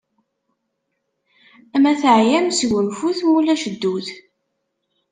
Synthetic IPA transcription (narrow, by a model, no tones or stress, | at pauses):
mæθəʕjæmsʝənfuθmulæʃəd̪ːuθ